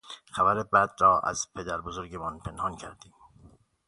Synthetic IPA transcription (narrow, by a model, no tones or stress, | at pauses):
xæbæɾebæd̪ɾɒːʔæ̰z̥pʰe̞d̪æɾbozoɾɟemɒːnpʰe̞nhɒːncʰæɾd̪iːm